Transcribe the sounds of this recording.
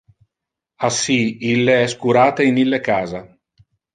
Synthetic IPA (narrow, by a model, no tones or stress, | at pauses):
asːiilːeɛskuɾaːt̪einilːekaːza